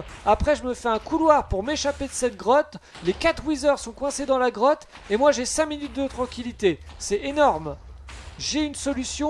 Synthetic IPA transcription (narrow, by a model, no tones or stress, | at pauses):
apχɛʒəməfɛɛ̃kulwaʁpuʁmeʃaped̪əsɛt̪̚ɡʁɔt̪ | lekat̪χwizœʁsɔ̃kwɛ̃sed̪ɑ̃laɡʁɔt̪ | emwaʒesɛ̃minyt̪̚d̪ət̪χɑ̃kʲilit̪e | sɛenɔʁm | ʒeynsɔlysjɔ̃